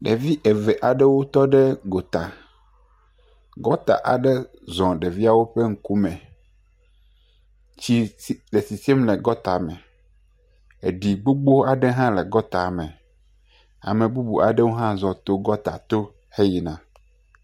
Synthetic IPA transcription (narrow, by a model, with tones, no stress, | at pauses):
ɖe˨vi˦ʔe˨vɛ˨ʔa˨ɖɛ˦wo˦t̪ɔ˦ɖɛ˦ɡo˨t̪a˨ | ɡɔ˦t̪a̰˨ʔa̰˨ɖe˦ | zɔ̃˨ɖe˨vi˦a˨wo˦ɸe˦ŋ̩˦ku˦mɛ̃˨ | t͡ɕi˦le˨si˨si˦e˦mle˨ɡɔ˦t̪a˨mɛ̃˨ | e˨ɖi˨ɡ͡bo˦ɡ͡bo˦a˨ɖe˦ɦã˦le˨ɡɔ˦t̪a˨mɛ̃˨ | a̰˨mẽ˨bu˦bu˨a̰˨ɖe˦wo˦ɦã˦zɔ̃˨t̪o˦ɡɔ˦t̪a̰˨t̪o˦ | he˦ji˨nã˨